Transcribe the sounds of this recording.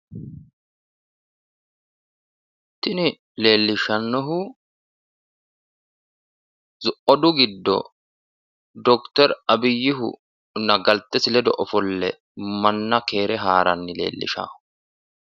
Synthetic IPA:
t̪ɪnɪ | le̞ːlːɪʃɐnːɔɦʊ | zʊʔɔd̪ʊɡɪd̪ːɔ̰ | d̪ɔkt̪ɛɾɐbɪjːɪɦʊ̰ | nɐɡɐlt̪ːɛsɪlɛd̪ɔʔɔfɔlːɛ̰ | mɐnːɐke̞ːɾɛɦaːɾɐnːɪle̞̰ːlːɪ̰ʃa̰ːhʊ̥

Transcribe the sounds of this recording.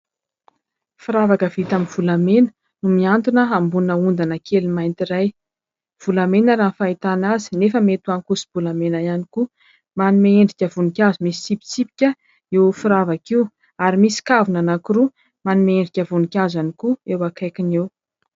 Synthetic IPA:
fiɾavakəv̥it̪aminv̥ulamenə̥ | numiant̪unəambunəund̪anakʰelimajnt̪iɾaj | v̥ulamenəɾanfait̪anazi̥nefəmet̪uankusi̥b̥ulamenaianiku | manumaeɳɖ͡ʐikʲəvunikʲazumisi̥sipi̥t͡sipi̥kʲə | ewfiɾavakiw | aɾimisi̥kavunanakiɾu | manumaeɳɖ͡ʐikʲəvunikʲazanikuewakʰajkinew

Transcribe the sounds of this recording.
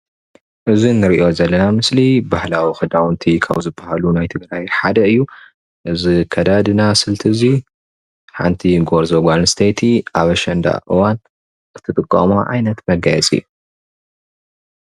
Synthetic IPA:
ʔɨzinːɨɾiʔo̞zɐlːɐnamɨslibahlawixɨd̪awnt̪ʰikʰa̰βzɨbːɐhalunajt̪ʰɨɡɾajħad̪ɐɨjːu | ʔɨzikʰɐd̪ad̪ɨnasɨlt̪ʰɨzi | ħa̰nt̪ʰiɡoɾzoɡʷanst̪ʰejt̪ʰiʔaβɐʃɐnd̪a̰ʔɨwan | ɨt̪ʰːɨt̪ʼɨkʼːɐ̰maʕa̰jnɐt̪mɐɡajɛt͡sʼɨ̰jːu

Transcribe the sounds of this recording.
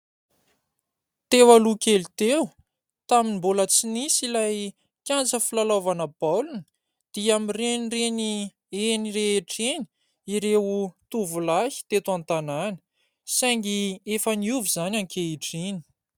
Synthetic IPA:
t̪ewalukʲelit̪ew | t̪aminimbolət͡sinisilaj | kʲjant͡səfilalovanəbalunə̥ | d̪̥iamirenreni | enireeʈ͡ʂeni̥ | iɾeut̪uvulahi̥t̪et̪uant̪ananə̥ | saŋɡiefaniuvizanʲaŋkʰeeʈ͡ʂini̥

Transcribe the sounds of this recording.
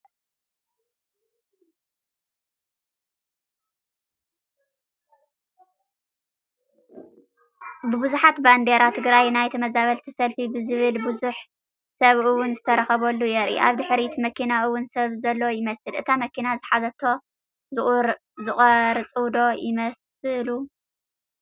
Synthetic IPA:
bɨbɨzuħat̪band̪eɾat̪ʰɨɡɾajnajt̪ʰɐmɐzaβɐlt̪ʰisɐlfibɨzɨβɨlbuzuħ | sɐβɨwːʊnzɨt̪ʰɐɾɐxɐβɐlːujɛɾʔḭʔa̰βd̪ɨħɾit̪mɐkʰinaʔɨwʊnsɐβzɐlːo̞jɪmɐsɨlʔɨt̪ʰamɐkʰinazɨħazɐt̪ʰo̞ | zɨʔʼɾ | zɨχʼɐɾɨt͡sʼɨwd̪o̞jɪmɐs | ɨlu

